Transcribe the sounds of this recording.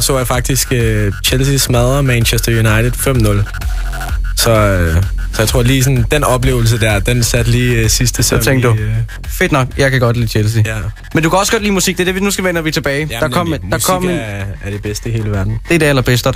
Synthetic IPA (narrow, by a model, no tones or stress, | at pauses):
sɒʋɑjfɑ̈ɡ̥̚d̥isɡ̥øt͡ɕʰelsismæð̞ˠɐmænɕesd̥ɐjunɑ̈ɪt͡sʰed̥ˠfem̰nɔl | sɒ̽ | sɒjat͡sʰʁo̝ɐliːsɒnd̥enɒ̽b̥le̝ːʊl̩s̬əd̥æɐd̥ensæd̥liːsisd̥əsɒt͡sʰeŋɡ̥d̥u | fe̝d̥nɒ̽ɡ̥jɑ̈ɪkæɡ̥ɒ̽d̥lḭːt͡ɕʰels̬ijæ | mend̥ukʰæɒ̽səɡ̥ɒ̥liːmusiɡ̥d̥e̝ɐd̥eʋinusɡ̥æʋenɐʋit͡sʰe̝b̥ɛːɪd̥ɑ̈ɒ̽m̰d̥ɑ̈kʰɒ̽m̰æɐd̥e̝b̥esd̥əihe̝ːləʋæɐd̥n̩d̥eɾ̥eælɐb̥esd̥ə